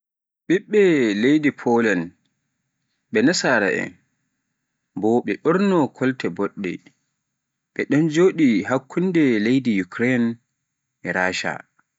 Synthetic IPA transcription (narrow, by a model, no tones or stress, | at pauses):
ɓiɓːɛlejdipʰɔlan | ɓɛnasaɾa̰ʔɛ̰n | bɔɓɛɗɔɾnɔkʰɔltɛbɔɗːɛ̰ | ɓɛɗɔnd͡ʒoːɗiɦakʰːundɛlejdijukɾɛn | ɛɾaʃa̰